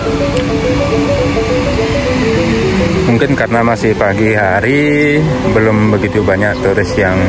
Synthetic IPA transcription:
muŋkɪnkarənamasɪhpaɡihaɾi | bəlʊmbəɡit̪ubaɲak̚t̪uɾɪsjaŋ

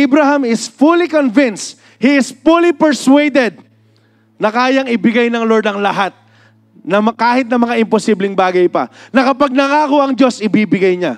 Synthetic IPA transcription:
bɾaɦɐmɪsfulikonvɪns | hiɪsfulipɛɹswɛjd̪ɛd̪̚ | nɐkaːjɐŋɪbɪɡajnɐŋloɹd̪ɐŋlɐɦat̪̚ | nɐmɐkaːhɪt̪̚nɐmɐŋaʔɪmposiblɪŋbaːɡɐjpɐ̰nɐkɐpɐɡ̚nɐŋaːkoʔɐŋd͡ʒo̞sɪbiːbɪɡajɲa

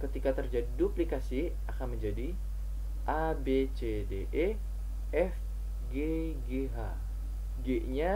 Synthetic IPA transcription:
kət̪ikat̪ərd͡ʒadiduplikasi | akanməɲd͡ʒadi | ʔabet͡ʃe | deʔe | ɛf | ɡe | ɡeɦa | ɡeɲa

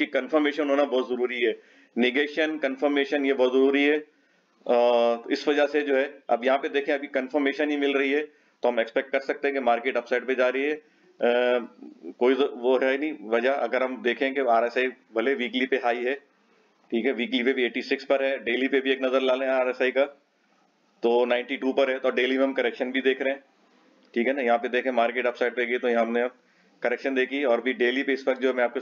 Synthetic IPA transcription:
kikɐnfəɾmeːʃə̃nnɦoːnabɔːt̪zɐɾuːɾiɦɛː | nɪɡeːʃənkɐnfəɾmeːʃənjebɔːt̪zɐɾuːɾiɦɛː | ɔːɪsʋɐd͡ʒased͡ʒoːɦɛɐ̰bjɐɦãped̪eːkʰẽɐbʱikɐnfəɾmeːʃənɦimɪlɾɐɦiɦɛː | t̪oɦɐmekspɛkʈ̚kɐɾsɐk̚t̪ẽɡemaːɾkeːʈɐpsaːɪʈ̚pẽd͡ʒaːɾɐɦiɦɛː | koːizʋoɦɛnɐ̃ĩʋɐd͡ʒaɐ̰ɡəɾɦɐmd̪eːkʰẽkeaːɾɛsaːi | bʱɐleʋiːklipeɦaːiɦɛː | ʈʰiːkɦɛʋiːklipebʱieːʈisɪkspɐɾɦɛɖeːlipebʱieːk̚nɐzəɾlaːlẽaːɾɛsaːika | t̪oːnãːɪ̃ɳʈiʈuːpɐɾɦɛt̪ɔːɖeːlimẽɦɐ̃mkɐɾɛkʃənbʱid̪eːkʰɾɐɦẽː | ʈʰiːkɦɛnajɐɦãped̪eːkʰẽːmaːɾkeːʈɐpsaːɪɖ̚peɡɐit̪ojɐɦãɦɐmneɐb̚ | kɐɾɛːkʃənd̪eːkʰiɔːɾbʱiɖeːlipeɪsʋɐk̚d͡ʒoːɦɛmɛ̃aːp̚ke

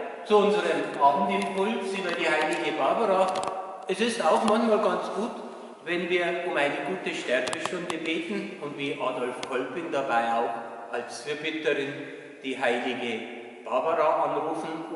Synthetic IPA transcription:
t͡suʊnzəʁəmʔaːbmn̩tɪmpʰʊlsyːbɐdiːhaɪlɪɡəbabəʁa | ɛsɪstaʊxmançmaːlɡɑnt͡sɡ̥uːt | vɛnviːɐʊmaɪnəɡuːtəʃtɛɾbəʃtʊndəbeːtn̩ʊntviːʔaːdɔlfkʰɔlpɪndabaɪaʊx | ʔalsfiːɐbɪtəʁɪn | d̥iːɦaɪlɪɡə | b̥aːbəʁaʔɑnʁuːfn̩

